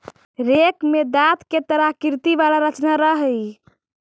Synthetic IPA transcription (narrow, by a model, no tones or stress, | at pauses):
ɾekmed̪at̪ket̪əɾakiɾt̪iʋalaɾət͡ʃnaɾəɦəj